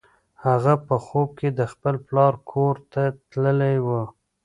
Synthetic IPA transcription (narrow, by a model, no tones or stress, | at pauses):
haɣapəxob̚ked̪əxpəlplɑɾkʰoɾt̪at̪ləlajwə